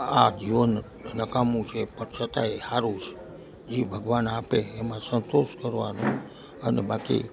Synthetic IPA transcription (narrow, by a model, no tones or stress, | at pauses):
ad͡ʒiʋən | nəkamũt͡ʃʰepəɳsʰət̪aehaɾus | d͡ʒibʱəɡʋanapeːmãsənt̪oʃkəɾʋa̰nõ | ənebakḭ